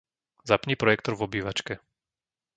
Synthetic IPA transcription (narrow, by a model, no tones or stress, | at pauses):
zapɲiːpɾɔjɛkt̪ɔɾvɔbiːʋat͡ʃkɛ